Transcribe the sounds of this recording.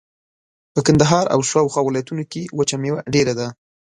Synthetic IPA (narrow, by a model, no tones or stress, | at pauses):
pəkand̪aɦɑɾa̰wʃwɑwxwɑwɪlɑjat̪unokewət͡ʃamewaɖeɾad̪a